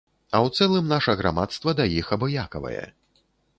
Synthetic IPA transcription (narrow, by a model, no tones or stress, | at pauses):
ɐwt̪sɛlˠɨmnaʂɐɣɾa̰mat̪st̪vɐd̪ajixɐbɔjakɐvɐ̰jɛ̰